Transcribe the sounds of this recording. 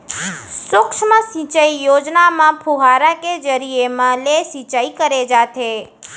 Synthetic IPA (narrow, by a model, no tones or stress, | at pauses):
sʊkʃməsĩt͡ʃəijod͡ʒnamãpʰuɦaɾaked͡ʒəɾiemãlesit͡ʃaikəɾed͡ʒat̪ʰe